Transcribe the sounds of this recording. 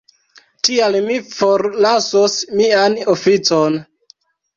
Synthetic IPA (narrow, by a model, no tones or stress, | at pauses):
tialmifoɾlasosmianofit͡son